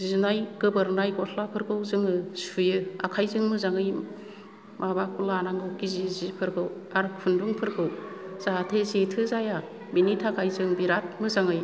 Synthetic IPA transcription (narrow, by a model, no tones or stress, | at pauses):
izunajɡ̥ɯbɯɾnajɡɔtʰlapʰɯɾɡɯwzɯŋɯsujɯakʰajzɯŋmɯzaŋɯj | mʔabakulanaŋɡɯwɡizizipʰɯɾɡɯw | aɾpʰunduŋpʰɯɾɡɯwz̥atʰezetʰɯzaja | binitʰakʰajzɯŋbiɾat̚mɯzaŋɯj